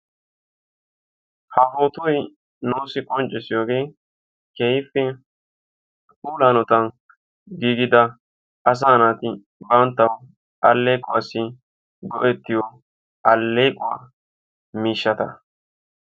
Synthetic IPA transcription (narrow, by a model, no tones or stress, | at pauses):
hɐfoːt̪ʊj | noːsɪkʼɔnt͡ʃʼːɪsɪjoːɡe̞ː | kɛjfɛ | kʼuːlaːnɔt̪ɐn | ɡiːɡɪd̪ɐ | ʔɐs̬aːnaːt̪ɪ | bɐnt̪ːɐw | ʔɐlːɛjkʼʊwaːsɪ | ɡɔʔɛt̪ːɪjɔ | ʔɐlːejkʼʊwa̰ː | miːʃːɐt̪ɐ